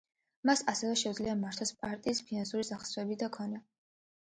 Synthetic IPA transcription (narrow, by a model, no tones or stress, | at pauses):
masasɛvɛʃɛud̪zliamaɾt̪ʰɔspʼaɾt̪ʼiːspʰinansuɾisaχsɾɛbid̪akʰɔnɛ